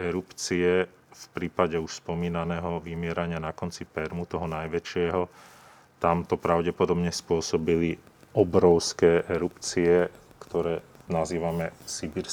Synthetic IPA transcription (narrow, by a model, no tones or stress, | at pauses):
ɛɾupt͡siɛ | fpɾiːpaɟɛuʃspɔmiːnanɛːɦɔʋimɪɛɾaɲɪanakɔnt͡sipɛɾmut̪ɔɦɔnajʋɛt͡ʃɪɛɦɔ | t̪amt̪ɔpɾaʊɟɛpɔd̪ɔbɲɛspʊɔsɔbili | ɔbɾɔʊskɛːʔɛɾupt͡siɛkt̪ɔɾɛːnaziːʋamɛsibiɾ